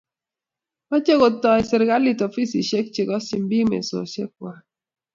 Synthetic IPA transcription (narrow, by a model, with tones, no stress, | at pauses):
a˦t͡ʃe˦ko˨tɔ˨ɛ˨sɪ˨ɾɡa˦lɪ˦˨to˨fi˦si˨ʃe˦k̚t͡ʃɪ˨kɔ˦si˨mbi˦mḛ˨so̰˨ʃe˦k̚wa˨